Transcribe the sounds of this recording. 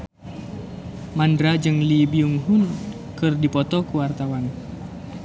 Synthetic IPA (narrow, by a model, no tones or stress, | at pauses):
mandɾad͡ʒɨŋlibiuŋɦun | kɨrdipɔt̪ɔkuwart̪awan